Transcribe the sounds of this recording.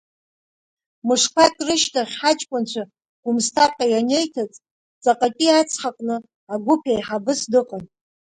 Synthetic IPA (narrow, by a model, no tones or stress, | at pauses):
mɨʂkʷʰakʲʼrɨʃtʰaχʲħat͡ʃʼkʷʼʊnt͡ɕʷʰa | ɡ̥ʷʊmstʰakʼajane̞jtʰat͡sʼ | t͡sʼaqʼapʼiat͡sʰχaqʼnɨ | aɡʷʊpʰejħabɨsdɨqʼan